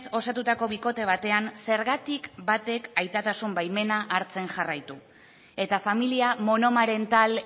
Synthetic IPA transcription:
so̞sat̪ut̪ako̞βiko̞t̪e̞β̞at̪e̞anse̞ɾɣat̪ikbat̪e̞kajt̪at̪asumbajme̞naʔaɾt͡se̞nʝarajt̪u | e̞t̪afamiliamo̞no̞maɾe̞nt̪al

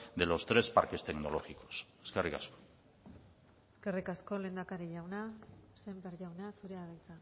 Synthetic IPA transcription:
d̪elo̞st̪ɾe̞spa̰ɾke̞st̪e̞ɡno̞lo̞ɣiko̞̥seskerika̰sko̥ | eske̞rikasko̞le̞ːnd̪akaɾiʎawnase̞mbeɾʝawnasuɾe̞aðajt͡sa

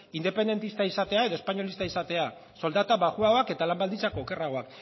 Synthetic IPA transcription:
ind̪e̞pe̞nd̪e̞nt̪ist̪aisat̪e̞aeðo̞e̞spaɲo̞list̪aisat̪e̞a | so̞ld̪at̪aβaɣuaoake̞t̪alambald̪int͡sako̞ːke̞raɣ̞o̞ak

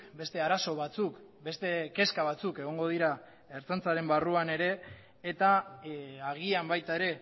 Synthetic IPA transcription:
be̞st̪e̞aɾaso̞β̞at͡suk | be̞st̪e̞ke̞skaβ̞at͡suke̞ɣ̞o̞ŋɡo̞ð̞iɾa | eɾt͡sont͡saɾe̞mbaruane̞ɾe̞ː | t̪a | aɣiambajt̪aeɾe̞

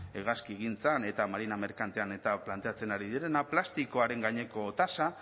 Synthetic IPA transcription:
eɣaskiɣint͡sane̞t̪amaɾiname̞ɾkant̪e̞ane̞t̪aplant̪eat͡se̞naɾiðiɾe̞naplast̪iko̞aɾe̞ŋɡaɲe̞ko̞t̪asa

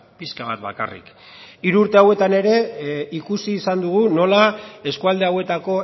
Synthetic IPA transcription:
piskaβat̪ba̰ka̰rḭk | iɾuːɾt̪e̞awe̞t̪ane̞ɾe̞ikusiːsand̪uɣ̞uno̞lae̞skuald̪e̞awe̞t̪ako̞

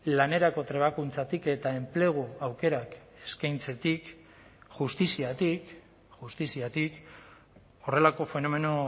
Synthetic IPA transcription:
lane̞ɾako̞t̪ɾe̞β̞akunt͡sat̪ike̞t̪ae̞mple̞ɣ̞uawke̞ɾak | e̞skajnt͡se̞t̪ik | ʝust̪isiat̪ik | ʝust̪isiat̪ik | o̞re̞lako̞fe̞no̞me̞no

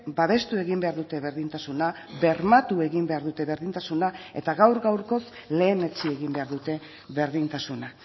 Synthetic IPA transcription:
baβe̞st̪ue̞ɣimbe̞aɾðut̪e̞βe̞ɾðint̪asuna | βe̞ɾmat̪ue̞ɣimbe̞aɾðut̪e̞βe̞ɾðint̪asunae̞̰t̪aɣawɾɣawɾko̞sle̞ːne̞t͡sieɣimbe̞aɾðut̪e̞ | βe̞ɾðint̪asuna

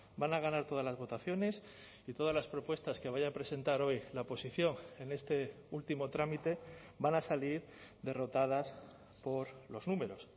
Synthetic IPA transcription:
banaɣ̞anaɾt̪o̞ð̞azlazβo̞t̪aθjo̞ne̞s | it̪o̞ð̞azlaspɾo̞pwe̞st̪aske̞β̞aʝapɾe̞se̞nt̪aɾo̞jlaopo̞siθjo̞ŋe̞ne̞st̪e̞ | ult̪imo̞t̪ɾamit̪e̞ | banasaliɾ | d̪e̞ro̞t̪að̞as | po̞ɾlo̞znũme̞ɾo̞s

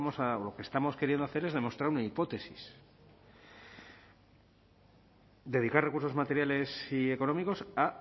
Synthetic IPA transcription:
osaolo̞kest̪amo̞ske̞ɾjend̪oaθe̞ɾe̞zð̞e̞mo̞st̪ɾaɾunaipo̞t̪e̞sis | d̪e̞ð̞ikaɾre̞kuɾso̞zmat̪e̞ɾjale̞sie̞ko̞nõ̞miko̞sa

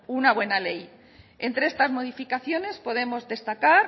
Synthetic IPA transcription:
unaβ̞we̞nale̞j | e̞nt̪ɾeest̪azmo̞ðifikaθjo̞ne̞spo̞ðe̞mo̞zðe̞st̪akaɾ

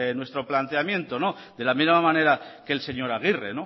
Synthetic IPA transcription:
enwe̞st̪ɾo̞plant̪eamjẽ̞nt̪o̞no̞ | ðelamizmamãne̞ɾake̞lse̞ɲo̞ɾaɣ̞ireno

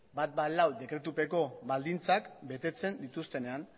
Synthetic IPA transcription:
bat̪̚balawd̪e̞kɾe̞t̪upe̞ko̞βald̪int͡sakbe̞t̪e̞t͡se̞nd̪it̪ust̪e̞ne̞an

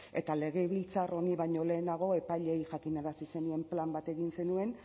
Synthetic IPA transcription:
e̞̰t̪ale̞ɣ̞e̞βilt͡sarʔo̞niβajɲo̞le̞ːnaɣ̞o̞e̞paʎe̞jʝakinaɾasise̞nue̞mplambat̪e̞ɣinse̞nue̞n

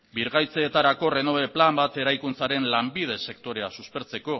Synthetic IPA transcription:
biɾɣajt͡seːt̪aɾako̞re̞no̞βe̞plambat̪e̞ɾajkunt͡saɾe̞nlambið̞e̞se̞kt̪o̞ɾe̞asuspe̞ɾt͡se̞ko̞

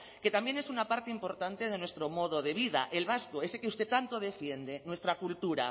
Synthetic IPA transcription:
ke̞t̪ambje̞ne̞sunapaɾt̪eimpo̞ɾt̪ant̪e̞ð̞enwest̪ɾo̞mo̞ðoðe̞β̞iða̰ʔe̞lβaskoe̞sekeust̪et̪ant̪o̞ð̞e̞fje̞nd̪e̞nwe̞st̪ɾakult̪uɾa̰

